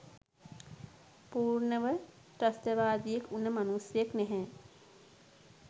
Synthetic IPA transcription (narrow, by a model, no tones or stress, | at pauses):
puːɾɳəʋə | ʈɐst̪ɐʋaːd̪ijekunːəmɐnusjəknɛɦɛ̃